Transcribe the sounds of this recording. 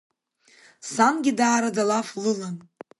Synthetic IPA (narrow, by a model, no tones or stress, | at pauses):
sanɡʲɪdaːɾadalaflɨlan